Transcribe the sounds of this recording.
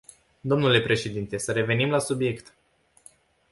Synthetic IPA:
d̪o̞mnule̞pɾe̞ʃe̞d̪int̪e̞səɾe̞ve̞nimlasubje̞kt̪

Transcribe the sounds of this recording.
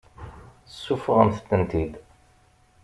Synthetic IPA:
sːufʁəmθət̪ːənt̪id̪

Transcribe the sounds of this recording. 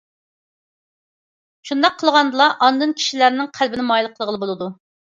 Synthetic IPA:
ʃund̪ɑqʰːəlˠʁɑnd̪ɨlˠɑʔɑnd̪ɨnkʲʰi̥ʃilæɾnɪŋqʰælbɪnɪmɑjlˠəqʰəlˠʁəlˠɨbolˠɨd̪u

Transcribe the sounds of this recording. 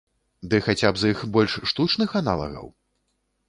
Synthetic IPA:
d̪ɨxat͡sʲabzixbɔlʲʂːt̪ut͡ʂnɨxanalˠɐ̰ɣɐ̰w

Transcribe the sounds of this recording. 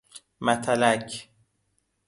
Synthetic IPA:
mæt̪ʰælæcʰ

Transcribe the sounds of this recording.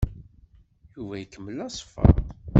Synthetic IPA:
juvæjəkːəmːəlæsˤfɑ̰

